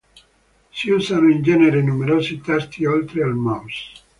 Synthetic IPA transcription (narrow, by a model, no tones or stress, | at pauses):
siusanoind͡ʒɛneɾenumeɾoːsit̪ɛst̪iolt̪ɾealmɔms